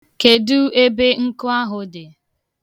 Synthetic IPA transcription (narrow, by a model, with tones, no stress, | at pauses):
ke˨du˦e˦be˦ŋ̩˦kʊ˦a˦ɦʊ˨dɪ˨